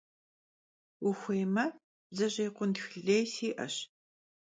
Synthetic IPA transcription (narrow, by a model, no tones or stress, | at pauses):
ʊxʷejmɐ | bzɐʑejːqʷʊndxɮejsiːʔɐ̰ɕ